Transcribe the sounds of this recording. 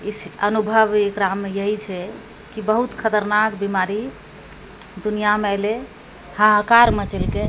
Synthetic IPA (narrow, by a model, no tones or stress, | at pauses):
isənubʱəʋekɾamːejəɦit͡ʃʰɛ | kibəɦut̪kʰət̪əɾnakbimaɾi | d̪unijamale | hãɦkaɾmət͡ʃelke